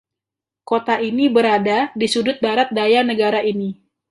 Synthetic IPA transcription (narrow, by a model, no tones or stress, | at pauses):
kot̪aʔinibəɾadadisudʊt̪̚baɾat̪̚dajanəɡaɾaʔini